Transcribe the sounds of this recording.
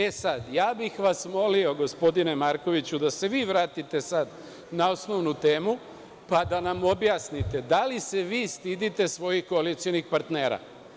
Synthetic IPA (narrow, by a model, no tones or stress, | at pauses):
e̞sad̪jaːbixʋasmo̞lio̞ɡo̞spo̞d̪ine̞maɾko̞ʋit͡ɕud̪ase̞ʋiːʋɾaːt̪it̪e̞sad̪ | naosno̞ʋnut̪e̞ːmu | pad̪anamo̞bjaːsnit̪e̞d̪alise̞ʋiːst̪id̪it̪e̞sʋo̞jixko̞alit̪sijo̞nixpaɾt̪neːɾa̰